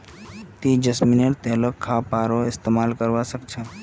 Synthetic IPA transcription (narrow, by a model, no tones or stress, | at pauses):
t̪id͡ʒəsmineʈt̪eɦlokkʰːapaɾoɪst̪emaːlkəɾʋasəkt͡ʃʰa